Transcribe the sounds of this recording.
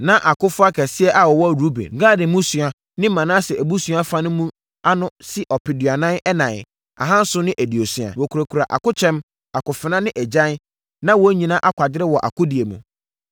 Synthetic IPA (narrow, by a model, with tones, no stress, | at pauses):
nã˦ʔa˨kʊ˦fʊ˦a˦kʰɛ˨sɪ˦ɛ˦ʔa˨wɔ˨wɔ˦˨ɾu˦bḛ˨ŋ̩˦ɡa˦dɪ˨mũ˦sɥa˨ | nɪ̃˦mã˨nã˦sɛ˨æ˨bu˦sɥa˦fa˦nʊ̃˦mũ˦ | a˦nʊ̃˦sɪ˦ʔɔ˨pʰɪ˨dɥa˨nã˦ɛ˦nã˨ | a̰˨ɦã˦n̩˦sʊ˦nɪ̃˦ʔæ˨di˨o˨sɥa̰˨wɔ˨kʰu˨ɾa˨kʰu˨ɾa˨ʔa̰˨kʊ˦t͡ɕʰɛ̃˦m | a˨kʊ˨fɪ˨nã˦nɪ̃˦ʔɛ˨d͡ʑã˦n˦ | nã˦wɔ˦ɲĩ˨nã˦ʔa˦kʷʰa˨dɪ˦ɾɪ˦wɔ˨ʔa̰˨kʰʊ˦di˨e˨mṵ̃˨